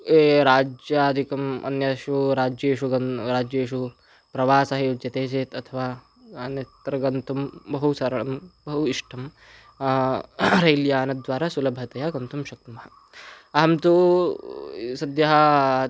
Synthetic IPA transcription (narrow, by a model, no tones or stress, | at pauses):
eːɾaːd͡ʒjaːd̪ʱikɐmɐ̰njɐʃuɾaːd͡ʒjeːʃuɡɐɾaːd͡ʒjeːʃu | pɾɐʋaːsɐɦeud͡ʒjɐt̪eːt͡ʃeːt̪ɐt̪ʰɐʋaː | nɐt̪ɾɐɡɐnt̪umbɐɦusɐɾɐɳɐmbɐɦuiʂʈʰɐm | ɾɐjlijaːnɐd̪ʋaːɾaːsulɐbʱɐt̪ɐjaːɡɐnt̪umʃɐkt̪ɐmɐɦɐ | ɐɦɐmt̪u | sɐd̪jɐɦɐ